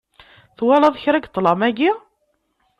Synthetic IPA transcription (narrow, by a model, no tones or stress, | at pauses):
θwɑlɑðˤçɾæɡt̪ˤːlɑmæɡi